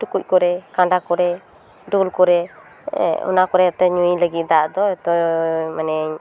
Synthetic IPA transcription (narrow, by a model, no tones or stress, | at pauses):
ʈukuc̚kɔɾɛkãɖakɔɾɛ | ɖulkɔɾɛ̰ | ɔ̰nakɔɾɛt̪ɛɲũləɡit̪̚ˀd̪aʔd̪ɔɛt̪ɔmanɛɲ